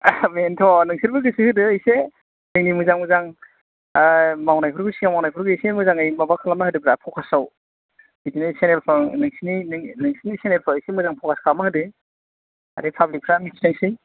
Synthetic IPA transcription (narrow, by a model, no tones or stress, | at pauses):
mentʰɔnɯŋsiɾbɯɡɯsɯhɯdɯːjse | nɯŋnimuzaŋmɯzaŋ | mawnajpʰɯɾɡɯsiŋamawnajpʰɯɾɡɯjsmɯzaŋɯjmabakʰalamahɯdɯbɾapʰɔkʰasaw | bitinɯsenelpʰanɯŋsininɯŋnɯŋsinisenelpʰaɯjsemuzaŋpʰɔkʰaskʰamahɯdɯ | a̰depʰablik̚pʰɾamitʰinaŋsi